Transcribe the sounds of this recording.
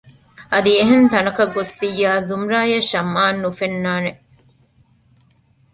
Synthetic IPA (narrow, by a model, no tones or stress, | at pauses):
ʔɐd̪ieɦent̪ɐnɐkɐɡːosfijːaːzumɾaːjɐʃɐmːaːnːufenːaːne